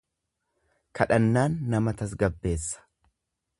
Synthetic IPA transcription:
kʰɐᶑɐnːaːnːɐmɐt̪ɐs̬ɡɐbːe̞ːsːɐ̥

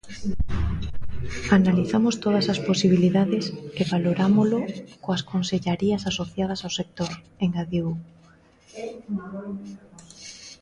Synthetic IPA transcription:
analiθamost̪oð̞ɐsasposiβ̞iliðaðeseβaloɾamolokoaskonseʎaɾiɐsasoθjað̞ɐsawsek̚t̪oɾ | eŋɡaðeu

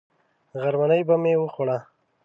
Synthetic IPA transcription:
ɣaɾmanəjbamewəxoɽa

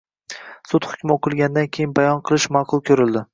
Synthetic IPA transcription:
sʊt̪hʊ̥kʲmɪoqʰɨlˠɡʲand̪ankʲʰejɪnbajɒnqʰɨlˠɪʃmɑːqʰʊlˠkʲʰɵɾɪld̪ɪ

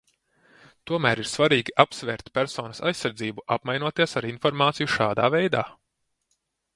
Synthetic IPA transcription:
t̪uɔmæːɾiɾsvaɾiːɡʲiʔapsvʲɛːɾt̪ʲpʲæɾsɔːnɐsa̰jsːaɾd̪ziːbuʔapmajnuɔt̪iɛsaɾinfɔɾmaːt̪sijuʃaːd̪aːvɛjd̪aː

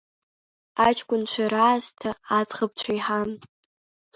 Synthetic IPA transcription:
at͡ʃʰkʷʼʊnt͡ʃʷʰaɾaːztʰaːt͡sʼχab̚t͡ɕʷʰaiħan

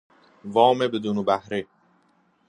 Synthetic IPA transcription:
vɒːmebed̪uːnobæhɾe

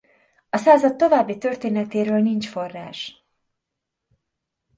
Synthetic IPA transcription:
ɒsaːzɒt̪ːo̞vaːbːit̪ø̞rt̪eːnɛt̪eːɾøːlnint͡ʃfo̞rːa̰ːʃ

